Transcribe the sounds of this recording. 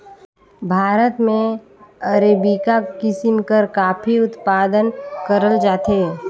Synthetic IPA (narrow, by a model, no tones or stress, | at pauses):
bʱaːɾət̪mẽ | əɾeːbikakɪsɪmkəɾkaːpʰiʊt̪paːd̪ənkəɾəld͡ʒaːt̪eː